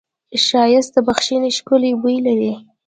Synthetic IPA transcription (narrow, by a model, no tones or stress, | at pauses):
ʃɑjɪst̪̚d̪əbaxʃineʃkʊlebujilaɾi